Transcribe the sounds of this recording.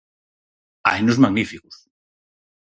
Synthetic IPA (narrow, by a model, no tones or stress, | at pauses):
a̰jnozmaɣnifiku̥s